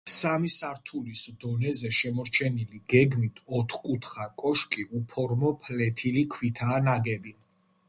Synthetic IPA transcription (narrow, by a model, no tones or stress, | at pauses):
samisaɾt̪ʰulisd̪ɔnɛzɛʃɛmɔɾt͡ʃʰɛniliɡ̥ɛɡmit̪ʰɔt̪ʰχkʼut̪ʰχakʼɔʃkʼiupʰɔɾmɔpʰlɛt̪ʰilikʰwit̪ʰaːnaɡɛbi